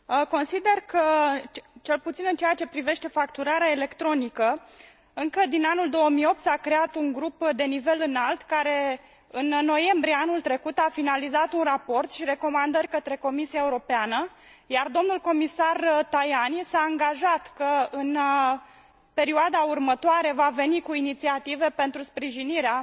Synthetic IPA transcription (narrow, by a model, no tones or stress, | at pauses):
ko̞nsid̪e̞rkə | t͡ʃe̞lput̪sinɨnt͡ʃejat͡ʃe̞pɾive̞ʃt̪e̞fakt̪uɾaɾeaele̞kt̪ɾo̞nikə | ɨŋkəd̪inanuld̪o̞əmio̞p̚t̪sakɾe̞at̪uŋɡɾupd̪e̞nive̞lɨnalt̪kaɾe̞ | ɨnnːo̞je̞mbɾieanult̪ɾe̞kut̪afinalizat̪unrapo̞rt̪ʃiɾe̞ko̞mand̪ərʲkət̪ɾe̞ko̞misiaeuɾo̞peanəjard̪o̞mnulko̞misart̪ajanisaːŋɡaʒat̪kəɨn | pe̞ɾioad̪aurmət̪oaɾe̞vave̞nikuinit̪siat̪ive̞pe̞nt̪ɾuspɾiʒiniɾea